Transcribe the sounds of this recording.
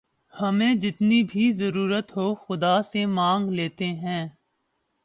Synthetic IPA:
hɐmẽd͡ʒɪt̪nibʱizəɾuːɾət̪ɦoːxʊd̪aːsemãːŋɡleːt̪eɦɛ̃ː

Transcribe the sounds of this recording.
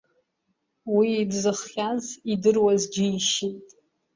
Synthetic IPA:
wiːdzɨχːʲazidɨrwazd͡ʒɪiʃintʼ

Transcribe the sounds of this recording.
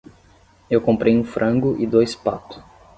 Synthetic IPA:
ewkõmpɾʔejũfɾʔɐ̃ɡʊʔɪd̪ojspa̰t̪ʊ̥

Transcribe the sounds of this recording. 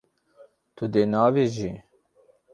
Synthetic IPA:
t̪ʰʊd̪eːnɑːveːʒi

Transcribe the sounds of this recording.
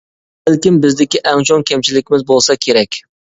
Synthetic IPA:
ɪlkʲɪmbɪzd̪ɪkʲiʔɛŋt͡ʃʰoŋkʲʰɛmt͡ʃʰilɪkʲɪmɪzbolˠsɑkʲʰeɾɛkʲ

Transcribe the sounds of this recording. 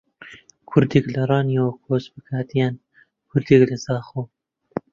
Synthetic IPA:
kʰʊɾd̪iklɨɾˤɑːnijokʰoːsbɨkʰaːt̪ijɛn | kʰʊɾd̪iːklɨzɑːxoː

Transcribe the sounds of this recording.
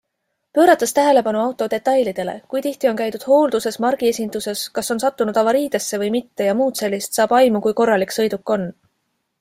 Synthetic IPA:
pø̞ːɾɑt̪ːˑɑst̪æɦe̞le̞pɑnuɑwt̪ːˑo̞d̪e̞t̪ːˑɑjlid̪̥e̞le̞̰kujt̪iht̪io̞nkæjt̪ud̪̥ho̞ːld̪use̞smɑrɡ̥ie̞sʲind̪̥use̞skɑso̞nsɑt̪ːunud̪ɑvɑɾiːd̪̥e̞sːe̞vɤ̞jmit̪ːe̞jɑmuːd̪̥se̞lːist̪sɑːb̥ɑjmukujko̞rːɑliksɤ̞jd̪ukːo̞nː

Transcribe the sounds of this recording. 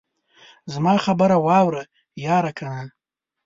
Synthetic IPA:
zmaχabɨɾawawɾɨ | jaɾakʰanɨ

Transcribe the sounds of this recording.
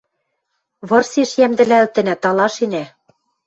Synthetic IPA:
βɤ̆rseʃjæmd̪ɘ̆lælt̪ɘ̆nɘ̆t̪ɑlɑʃenæ

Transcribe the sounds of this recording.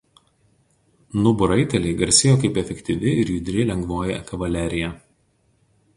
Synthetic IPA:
nʊbʊɾɐɪt̪ʲɛlʲɛɪɡɐɾʲsʲɪjoːkɐɪpɛfʲɛkʲt̪ʲiʋʲɪɪɾjʊd̪ʲɾʲɪlʲɛŋɡʋoːjɛ̰kɐʋɐlʲæˑɾʲɪjɛ

